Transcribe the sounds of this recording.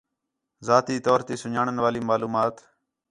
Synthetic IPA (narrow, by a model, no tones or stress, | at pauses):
zaːt̪iːt̪oːɾt̪iːsʊɲaːɳənʋaːliːmaːluːmaːt̪